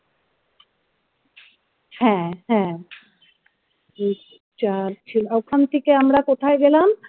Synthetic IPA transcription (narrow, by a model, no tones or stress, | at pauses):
hɛ̃ɦɛ̃ | t͡ɕaɾt͡ʃʰilawkʰamt̪ʰikeamɾakot̪ʰaeɡelam